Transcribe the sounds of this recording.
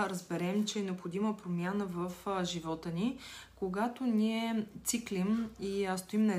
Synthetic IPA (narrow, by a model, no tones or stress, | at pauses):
ɾəzbɛɾɛmt͡ʃɛɛnɛopxod̪iməpɾomʲjanəvəfʒivɔt̪ənikoɡat̪oniɛt̪siklimist̪oimnɐɛ